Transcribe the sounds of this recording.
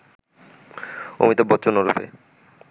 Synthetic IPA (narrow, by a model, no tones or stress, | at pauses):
o̰mit̪obɔt̪ːɕʰonoɾṵfḛ